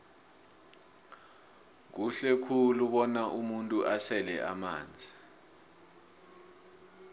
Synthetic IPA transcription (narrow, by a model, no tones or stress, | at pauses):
k̬uɬɛkʰuluɓɔnaʔumuntʼuʔasɛlɛ̰ʔa̰ma̰ːnd͡zʱi